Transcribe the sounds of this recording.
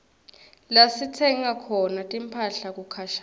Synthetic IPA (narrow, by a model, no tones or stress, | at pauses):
lasitʰɛŋakʰɔnatʼimpʰaɬak̬ʼukʰaʃa